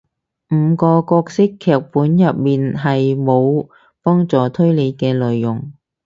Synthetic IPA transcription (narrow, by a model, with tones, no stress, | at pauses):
m̩˨˧kɔː˧kɔː˧k̚sɪ˥kʰːɛː˨˩k̚puː˨˥njɐ˨p̚miː˨nɦɐ˨jmo˨˧w | pɔː˥ŋt͡sɔː˨t̪ʰɵ˥ɥle˨˧jkɛː˧lœː˨jjʊ˨˩ŋ